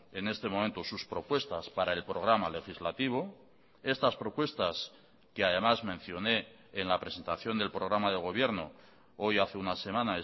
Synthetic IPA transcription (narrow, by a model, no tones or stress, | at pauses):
e̞ne̞st̪e̞mo̞ment̪o̞suspɾo̞pwe̞st̪aspaɾae̞lpɾo̞ɣɾamale̞xizlat̪iβ̞o̞ | e̞st̪aspɾo̞pwe̞st̪as | keaðe̞mazmẽ̞n̟θjo̞ne̞ː | nlapɾe̞se̞nt̪aθjo̞nd̪elpɾo̞ɣɾamaðe̞ɣ̞o̞β̞jeɾno̞̰ | o̞jaθe̞unase̞mãnae